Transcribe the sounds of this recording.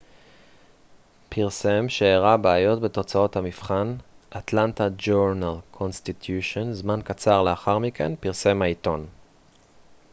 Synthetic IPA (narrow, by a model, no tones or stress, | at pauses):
piʁse̞mʃeːʁabeːjo̞tbe̞to̞t͡sao̞thamifχanʔatlantad͡ʒoʁnalkʰo̞nst̪it̪ʰjuʃonzmankat͡saʁleaχaʁmikḛnpiʁse̞mhaito̞n